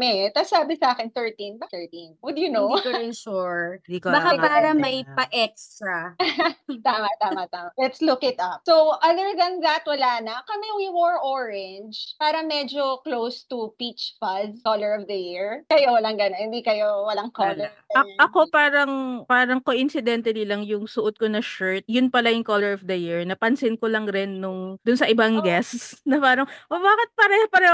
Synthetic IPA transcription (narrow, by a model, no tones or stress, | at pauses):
mɛt̪ɐsaːbɪsɐʔaːkɪnθɛɹt̪ĩnbɐθɛɹt̪inwʊd̪junouɹd̪ikbɐkapaːɾɐmɐjpɐʔɛkst̪ɾɐ | t̪aːmɐt̪aːmɐt̪aːmɐlɛt̪slʊkɪt̪ɐp̚sowʔɐðəɹðɐnðɐt̪wɐlaːnɐkɐmɛwiwɔɹʔɔɹɛnd͡ʒpaːɾɐmɛd͡ʒoklowst̪upit͡ʃfɐzkolɛɹɔvd̪ɐjiɹkɐjowɐlaŋɡɐnonhɪnd̪ikɐjowɐlaŋkollɛa | ɐʔɐko̞paːɾɐŋpaːɾɐŋkoʔɪnsɪd̪ɛnt̪ɐnɪlɐŋjʊŋsʊʔot̪̚konɐʃɛɹt̪̚jʊnpɐlajʊŋkolɛɹɔfd̪ɐjiɹnɐpɐnsɪnkolɐŋɾɪnːʊŋd̪ʊnsɐʔɪbaŋɡɛssnɐpaːɾɐŋʔobaːkɪt̪̚pɐɾɛhopɐɾɛ